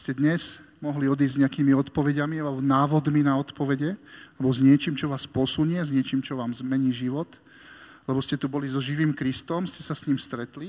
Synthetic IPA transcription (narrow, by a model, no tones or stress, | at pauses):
scɛd̪ɲɛz̥ | mɔɦliɔd̪iːɲɛakiːmiɔt̪pɔʋɛɟamialɛbɔnaːʋɔd̪minaɔt̪pɔʋɛɟɛalɛbɔzɲɪɛt͡ʃiːmt͡ʃɔʋaːspɔsuɲɛzɲɪɛt͡ʃiːmt͡ʃɔʋaːmzmɛɲiːʒiʋɔt̪ | lɛbɔscɛt̪ubɔlizɔʒiʋiːmkɾist̪ɔmscɛsasɲimst̪ɾɛt̪li